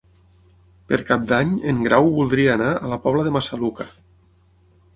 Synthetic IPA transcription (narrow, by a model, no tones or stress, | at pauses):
pəɾkap̚d̪aɲeŋɡɾʔawβulˠd̪ɾiaːnaʔəlapɔβləðəmasaluka